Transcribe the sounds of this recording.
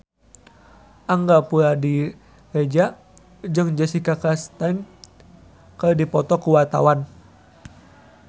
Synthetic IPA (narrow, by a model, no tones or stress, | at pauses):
ʔaŋɡapuɾadi | red͡ʒa | d͡ʒɨŋd͡ʒəsikakast̪an | kədipɔt̪ɔkuwat̪a̰wan